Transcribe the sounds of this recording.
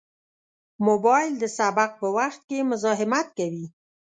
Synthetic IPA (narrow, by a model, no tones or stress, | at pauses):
mobɑjɪld̪əsabaq̚pəwaxt̪̚kemʊzɑɦɪmat̪̚kawi